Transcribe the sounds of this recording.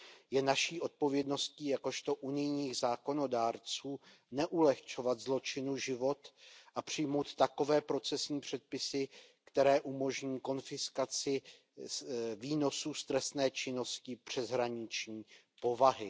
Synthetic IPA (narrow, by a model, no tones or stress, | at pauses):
jɛnaʃiːʔo̞t̪̚po̞vjɛdno̞sciːjako̞ʃt̪o̞ʔunɪjɲiːɣzaːko̞no̞daːɾt͡suː | nɛʔulɛxt͡ʃo̞vat̪zlo̞t͡ʃɪnuʒɪvo̞t̪ʔapr̝̥ɪjmo̞wt̪t̪ako̞vɛːpɾo̞t͡sɛsɲiːpr̝̥ɛt̪̚pɪsɪkt̪ɛɾɛːʔumo̞ʒɲiːko̞nfɪskat͡sɪ | viːno̞suːst̪ɾɛst̪nɛːt͡ʃɪno̞scɪpr̝̥ɛzɦɾaɲɪt͡ʃɲiː | po̞vaɦɪ